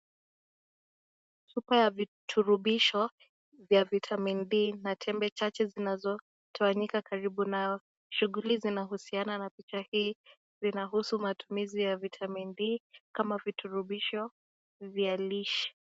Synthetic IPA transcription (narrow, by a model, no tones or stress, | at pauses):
supajavitʰuɾuɓiʃɔ | vjavitʰamindiːnatʰɛmbɛt͡ʃat͡ʃɛzinazɔ | tʰawaɲikakaɾiɓunajɔ | ʃuɣulizinahusiananapit͡ʃahiː | zinahusumatumizijavitʰamindiːkamavitʰuɾuɓiʃɔ | vjaliʃi̥